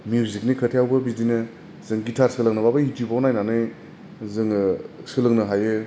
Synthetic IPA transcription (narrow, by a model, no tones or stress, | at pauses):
mjuzik̚nikʰətʰejawbɐbidinɯ | zɯŋɡitʰaɾsɯlɐŋnɐbabɐitubawnajnanɯj | zɯŋsɯlɯŋnɐɦajɯ